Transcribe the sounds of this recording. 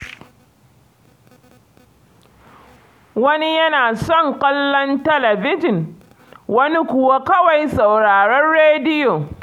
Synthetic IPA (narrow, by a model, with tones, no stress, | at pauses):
wɐ˦ni˦jɐ˦naː˨sɔ˦˨ŋkʷʼɐ˦lːɔ˦ntɐ˦lɐ˨bɪ˦d͡ʒɪ˨ŋ | wɐ˦ni˦kʷʊ˨wa˦kɐ˦wa˨jsa˨wɽaː˨ɽɔ˦nɽeː˦dɪ˦joː˨